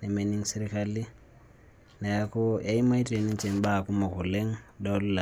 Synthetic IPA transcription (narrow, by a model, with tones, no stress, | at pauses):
ne˨meni˦ŋse˦ɾikali˦ | na˨ja˦ko˦a˦i˦ma˦i˦tʼe˨ni˦t͡ʃʼe˨mba˦˨ku˦ma˨ɣu˨le˦ŋ̩˦do˦lla˨